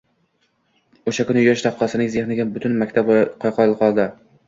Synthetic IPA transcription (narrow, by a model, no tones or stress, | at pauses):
oʃakʊnɪjɒʃt̪ʰap̚qʰɒsɪnɪŋzeχnɪɡʲabʊt̪ʰʊnmakʲt̪ʰabqʰɒjqʰɒɾlqʰɒlˠd̪ɪ